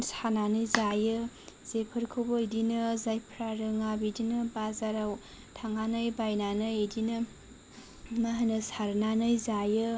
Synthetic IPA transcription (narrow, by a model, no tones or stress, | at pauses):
sananɯjzajɯ | z̥epʰɯɾkʰobojdinɯzajpʰɾaɾɯŋabidinɯbazaɾaw | tʰaŋanɯjbajnanɯjedinɯ | maɦanɯsaɾnanɯjzajɯ